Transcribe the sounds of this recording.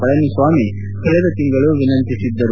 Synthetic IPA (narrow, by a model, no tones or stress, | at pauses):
pɐɭɐnisʋaːmi | kɐɭɛd̪ɐt̪iŋɡɐɭuʋinɐnt̪isid̪ːɐɾu